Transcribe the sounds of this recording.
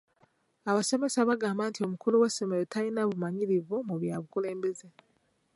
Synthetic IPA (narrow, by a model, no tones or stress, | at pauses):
aβase̞me̞saβaɡaːmbantio̞mukuluwesemejotʰajinaβumaɲiɾivomuβjaβukule̞ːmbe̞ze